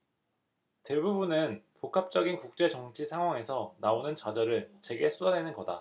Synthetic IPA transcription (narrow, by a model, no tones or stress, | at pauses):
te̞bubunɯnpokʰap̚t͡ɕ͈ʌɡinkuk̚t͡ɕ͈e̞t͡ɕʌŋt͡ɕʰisʰaŋɦwaŋe̞sʰʌnaonɯnt͡ɕad͡ʑʌɾɯɭt͡ɕe̞ɡe̞sʰudane̞nɯnɡʌda̰